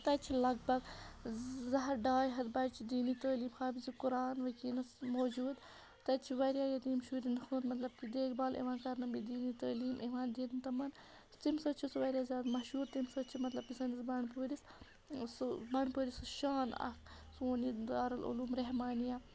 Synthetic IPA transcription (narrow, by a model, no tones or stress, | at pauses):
t̪ɐt͡ʃʰilɐɡ̚bɐɡ | zɐɦɐɾɖaːjɦɐt̪bɐt͡ʃʰid̪iːnit̪ɐːliːmxaːbizikuɾaːnʋɐkiːlɐsmoːd͡ʒuːd̪ | t̪ɐt͡ʃʰiʋɐɾijaːjɐt̪iːmʃuːɾinxunt̪mɐt̪lɐb̚t̪id̪eːkbaːlḛʋãːnkɐɾnɐmbid̪iːnit̪ɐːliːmʔeʋaːnd̪iːt̪nt̪ɐmɐn | st̪imsɐt͡ʃʰisʋɐɾʲjaːzʲaːd̪mɐʃuːɾt̪imsɐt͡ʃʰimɐt̪lɐb̚isɐnisbɐɳpəːɾis | sbɐɳpəːɾisʃaːnɐ̰ksoːnid̪aːɾɐlṵluːmɾɐɦmaːnijaː